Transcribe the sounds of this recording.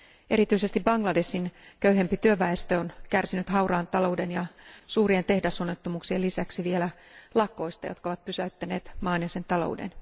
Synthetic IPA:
e̞ɾit̪yisest̪ibbɑŋɡlɑde̞sinkøyɦe̞mpit̪yøʋæest̪øonkærsinyt̪hɑurɑːnt̪ɑlo̞wdenjɑsuːrient̪e̞hdæsonːet̪ːomuːksielisæksiʋielæ | lɑko̞jst̪ɑ̰jo̞t̪kɑoʋɑt̪̚pysæyt̪ːæne̞ːt̪mɑːnjɑse̞nt̪ɑlo̰udḛn

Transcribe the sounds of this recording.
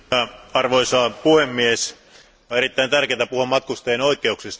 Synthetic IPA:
ɑɑrʋoisɑːpuhemːies | oeɾit̪ːæint̪ærkeæt̪æpuhomːɑt̪̚kust̪eenoikˑeuksest̪

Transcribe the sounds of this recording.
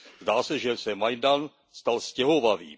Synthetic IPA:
zdaːsɛʒɛsɛmajdan | st̪alscɛɦovavḭː

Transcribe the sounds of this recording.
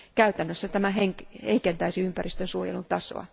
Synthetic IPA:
kæyt̪ænːøsːæt̪æmæɦeŋheikent̪æisiympærist̪ønsuojḛlunt̪ɑso̰ɑ̰

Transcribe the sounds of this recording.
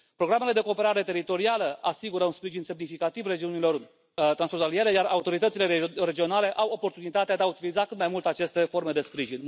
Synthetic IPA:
pɾo̞ɡɾame̞le̞d̪e̞ko̞ːpe̞ɾaɾe̞t̪e̞ɾit̪o̞ɾialəʔasiɡuɾəunspɾiʒinse̞mnifikat̪ivre̞d͡ʒiunilo̞r | t̪ɾansfɾont̪alije̞ɾe̞jaɾaut̪o̞ɾit̪ət̪sileɾe̞d͡ʒio̞nale̞ʔawo̞po̞rt̪unit̪at̪ead̪eaut̪ilizakɨt̪̚majmult̪eat͡ʃe̞st̪e̞fo̞rme̞d̪e̞spɾiʒin

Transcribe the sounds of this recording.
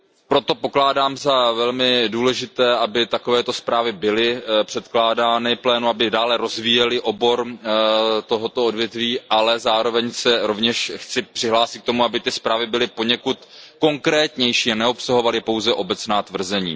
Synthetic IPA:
pɾo̞t̪o̞po̞klaːdaːmzavɛlmɪduːlɛʒɪt̪ɛːabɪt̪ako̞vɛːt̪o̞spɾaːvɪbɪlɪpr̝̥ɛt̪klaːdaːnɪplɛːnuabɪdaːlɛɾo̞zviːjɛlɪʔo̞bo̞ɾ | t̪o̞ɦo̞t̪o̞odvjɛt̪viːʔalɛzaːɾo̞vɛɲsɛɾo̞vɲɛʃxt͡sɪpr̥ɪɦlaːsɪt̪̚k̚t̪o̞muabɪt̪ɪspɾaːvɪbɪlɪpo̞ɲɛkut̪ko̞ŋkɾɛːt̪ɲɛjʃiːanɛo̞psaɦo̞valɪpo̞wzɛʔo̞bɛt͡snaːt̪vr̩zɛɲḭː

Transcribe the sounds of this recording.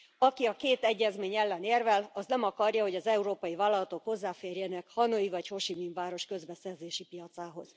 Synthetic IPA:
ɒkiɒkeːt̪ɛɟːɛzmeːɲɛlːɛneːrvɛlɒznɛmɒkɒrjɒho̞ɟɒzɛuɾoːpɒjivaːlːɒlɒt̪o̞kho̞zːaːfeːrjɛnɛkhɒnoivɒcho̞ʃimiɱvaːɾo̞ʃkø̞zbɛsɛrzeːʃipijɒt̪saːɦo̞z̥

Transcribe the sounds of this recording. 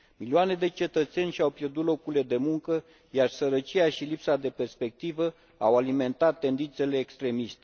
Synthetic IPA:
miliane̞d̪e̞t͡ʃe̞t̪ət̪se̞nʲʃawpjerd̪ut̪lo̞kuɾile̞d̪e̞muŋkə | jarsəɾət͡ʃiaʃilipsad̪e̞pe̞rspe̞k̚t̪ivə | awalime̞nt̪at̪ːe̞nd̪int̪se̞le̞ːkst̪ɾe̞mist̪e

